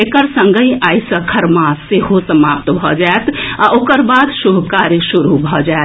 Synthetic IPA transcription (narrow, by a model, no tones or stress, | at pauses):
ekəɾsə̃ŋɡʱəĩaːjsəkʰəɾmaseɦosəmaːp̚t̪bʱɔd͡ʒaet̪aʔoːkəɾbaːd̪ʃubkaɾjəʃuɾubʱɔd͡ʒae